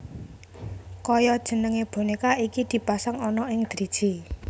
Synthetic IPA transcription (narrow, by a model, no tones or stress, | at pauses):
kɔjɔd̥ʒ̥ə̤nəŋeb̥o̤nikaikid̪̥i̤pasaŋɔnɔɪŋd̪̥ɾid̥ʒ̥i